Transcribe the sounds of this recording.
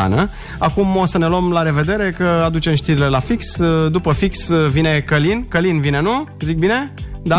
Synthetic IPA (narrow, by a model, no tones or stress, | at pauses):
a̰nə | akumosəne̞luəmlaɾe̞ve̞d̪e̞ɾe̞kəad̪ut͡ʃe̞mʃt̪iɾile̞lafiksd̪upəfiksvine̞kəlinkəlinvine̞nuzik̚bine̞d̪a